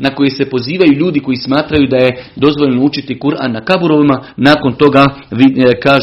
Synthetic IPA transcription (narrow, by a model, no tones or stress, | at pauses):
nako̞jese̞po̞ziːʋajuʎuːd̪iko̞jismaːt̪ɾajud̪aje̞d̪o̞zʋo̞ʎnout͡ʃit̪ikuɾa̰nakabuɾo̞ʋimanaːko̞nt̪o̞ɡaʋikaːʒ